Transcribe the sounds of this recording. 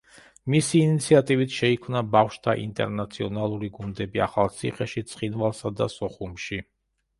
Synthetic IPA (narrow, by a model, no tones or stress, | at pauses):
misiːnit̪sʰiat̪ʼivit̪ʰʃɛikʰmnabafʃt̪ʰaʔḭnt̪ʼɛ̰ɾnat̪sʰiɔnalˠuɾiɡund̪ɛbia̰χalˠt̪sʰḭχɛʃit̪sʼχinvalˠsad̪asɔχumʃi